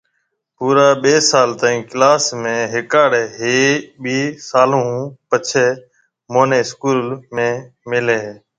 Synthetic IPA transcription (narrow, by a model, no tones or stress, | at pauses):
puːɾaːɓeːsaːlt̪ãːĩːklaːsmẽːɦɪkaːɽeːɦeːɓiːsaːlõːpət͡ʃʰeː | moːneːskuːlmẽːmɪleːɦː